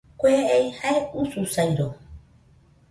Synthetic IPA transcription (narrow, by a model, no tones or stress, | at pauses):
kʷeejhaeususajɾo